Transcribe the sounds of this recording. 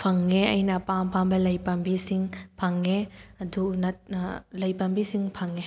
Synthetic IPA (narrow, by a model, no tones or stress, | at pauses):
pʰɐŋːeɐ̰jnɐpampʰambɐlɐjpɐmbisiŋpʰɐŋːeɐdunɐt̚lɐjpɐmbisiŋpʰɐŋːe